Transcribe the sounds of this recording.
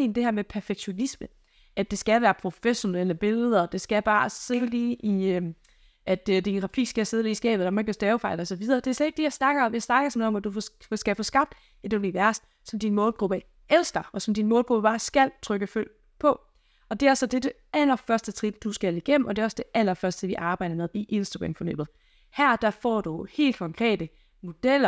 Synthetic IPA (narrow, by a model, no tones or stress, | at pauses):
nd̥e̝hæɐmepʰæɐfeɡ̥ɕo̝nismə | æd̥e̝sɡ̥æʋæːɐpʰʁo̝feɕo̝neləb̥e̝ləðˠɐd̥e̝sɡ̥æb̥ɑ̈ːseðəliːʔiø | ʔæd̥əd̥iʁɑ̈fʰḭːsɡ̥æse̝ð̞̩ˠliːsɡ̥ɛ̰ːb̥ð̩̥ˠɑmeɡ̥ɒsd̥ɛʊfɑ̈ɪlɒsɒ̽ʋið̞ˠɐːd̥e̝æsɒe̝ɡ̥̚d̥ejɑsnɑ̈ɡ̥ɐmjasnɑ̈ɡ̥ɐsɒmɒ̽mæd̥̚dufsɡ̥æfɔ̽ːsɡ̥ɑ̈b̥̚d̥ | e̝d̥oniʋæɐsd̥ | sɒ̽md̥inmɔ̽ːlɡ̥ʁub̥ə | ʔel̰sɡ̥ɐɒ̽sɒ̽md̥inmɔ̽ːlɡ̥ʁub̥əb̥ɑ̈ːsɡ̥æl̰t͡sʰʁœɡ̥əføl̰ | pʰɒ̽ | ɒ̽d̥e̝æɐsɒ̽d̥e̝de̝ | ælɐfɶɐsd̥ət͡sʰʁid̥d̥usɡ̥æliɡ̥em̰̩ʔɒ̽d̥e̝ɒ̽sd̥e̝ʔæl̰ɐfɶɐsd̥d̥eʋiʔɑ̈ːb̥ɑ̈ɪ̰d̥ɐmeðˠiʔe̝nsd̥ɐɡʁamfɒnø̰ːb̥ð̩ˠ | hæɐ̰d̥æ̈fɒ̰ːd̥uhe̝̰ːld̥̚kʰɒ̽ŋkʰʁɛ̰ːd̥ə | mo̝d̥el̰ɐ